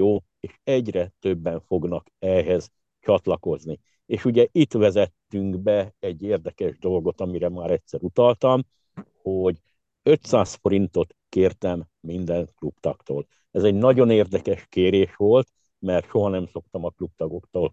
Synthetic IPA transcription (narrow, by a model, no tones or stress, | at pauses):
joː | eːʃɛɟrɛt̪øbːɛɱfo̞ɡn̪ɒkɛɦɛz | t͡ʃɒt̪lɒko̞zni | eːʃuɟɛʔit̪ʋɛzɛt̪ːyŋɡbɛɛɟːeːrd̪ɛkɛʒd̪o̞lɡo̞t̪ɒmiɾɛmaːɾɛcʲsɛɾut̪ɒlt̪ɒm | ho̞ɟ | ø̞t̪saːsfo̞ɾint̪o̞t̪keːrt̪ɛmːind̪ɛŋklupt̪ɒ̰kt̪o̰ːl | ɛzɛɟnɒɟo̞neːrd̪ɛkɛʃkeːɾeːʃʋo̞lt̪ | mɛrt̪ʃo̞ɦɒnɛmso̞k̚t̪ɒmɒklup̚t̪ɒɡo̞kt̪oːl